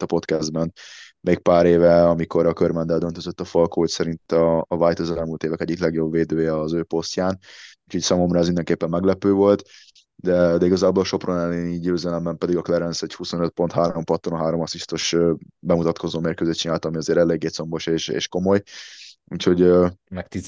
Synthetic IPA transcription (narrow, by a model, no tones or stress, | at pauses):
t̪ːɒpo̞t̪kɛzd̪bɛn | meːk̚paːɾeːvɛɒmiko̞ɾɒkørmɛnd̪ɛld̪ønt̪øzøt̪ːɒfɒlkoːocsɛɾint̪ɒːvajt̪ozɛlmuːlt̪eːvɛkɛɟːiklɛɡjo̞bveːd̪øːjɛɒzøːpo̞scaːnuːcʰhoːcsaːmo̞mrɒɛzmind̪ɛŋkeːpːɛmːɛɡlɛpøːvo̞lt̪ | d̪ɛd̪ɛiɡɒzaːbo̞lɒʃo̞pronɛlːeniːɟøːzɛlɛmbɛmpɛd̪iɡɒklɛɾɛnsɛchuso̞nøt̪̚po̞nt̪haːɾompɒt̪ːoonɦaːɾo̞mɒsist̪oʃbɛmut̪ɒt̪ko̞zoːmeːrkøːzeːt̪t͡ʃinaːlt̪ɒmiɒzeːɾɛlːeːɡːeːt̪so̞mboʃeːʃḛːʃko̞mo̞jṵːcho̞ɟømɛkt̪i